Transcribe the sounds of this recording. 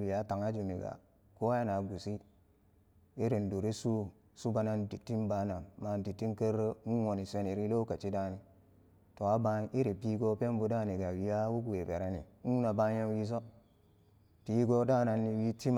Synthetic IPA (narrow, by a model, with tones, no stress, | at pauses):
wi˨a˨˦ta˨ŋa˦d͡ʒu˨mi˨ɡa̰˨ | ko˦a˦ja˦na˨ɡu˨si˦ | i˦ɾe˨n˨du˨ɾe˦su˦ | su˦ba˨na˦ndi˨tːi˦nba˦na˨ma˨n˨di˨tːi˦nkə˦ɾːə˦nu˦wo˨ni˨sʷe˦ni˨ɾi˦lo˦ka˨t͡ʃi˦da˦ni˨ | to˨a˦ba˦i˦ɾe˨pi˦ɡo˦pe˦m˦bu˨da˦˨ni˨ɡa˨wi˨ja˦wu˦ku˨e˨be˨ɾa˦nḭ˨nu˦na˨ba˦je˦n˦wi˦s̬o˦ | pi˦ɡo˦da˦˨na˨nːi˨wi˦ti˦m